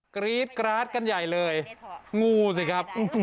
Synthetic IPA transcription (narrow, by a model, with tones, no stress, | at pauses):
kɾiː˦˥t̪̚kɾaː˦˥t̪̚ka˧nja˨˩jlɤː˧jŋuː˧s̬i˨˩kʰɾa˦˥p̚